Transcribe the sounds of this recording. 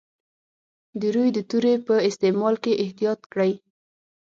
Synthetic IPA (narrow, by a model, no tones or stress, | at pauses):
d̪əɾujd̪ət̪uɾepəɪst̪emɑlkeʔɪht̪ijɑt̪̚kɽəj